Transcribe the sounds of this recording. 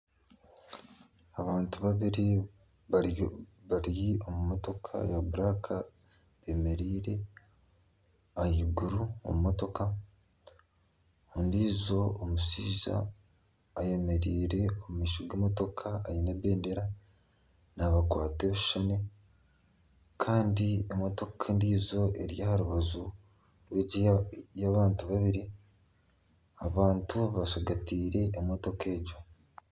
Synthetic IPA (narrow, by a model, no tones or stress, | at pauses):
aβaːntuβaβiɾi | βaɾjio̞mumo̞to̞kʰa̰jaβuɾakʰa | βeme̞ɾiːɾe̞ | ajiɡuɾuo̰mumoto̞ka | ondizo̞ːmusiːza̰ː | je̞me̞ɾiːɾe̞omumiːʃoɡeːmoto̞kʰaːjineβeːnde̞ɾa | naβakwaːte̞βuʃane̞ | kʰaːndiemo̞to̞kʰendiːzo̞ʔe̞̰ɾijahaɾuβazu | ɾweɟijaβaːntuβaβiɾi | aβaːntuβasoɡatiːɾe̞ːmoto̞kʰe̞ːɟo